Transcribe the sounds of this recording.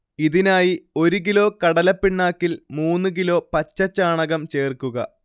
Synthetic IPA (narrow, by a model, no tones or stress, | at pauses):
iðinaːjio̞ɾuk̬ilo̞ːkɐɽɐlɐpːiɳːaːkːilmuːnːɨk̬ilo̞ːpɐt͡ɕːɐt͡ɕːaːɳɐɣɐmt͡ɕe̞ːrkːuɣɐ̰